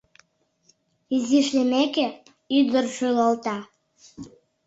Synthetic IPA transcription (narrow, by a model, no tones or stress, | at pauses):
iziʃlemeke | yd̪ərʃyləlt̪ɑ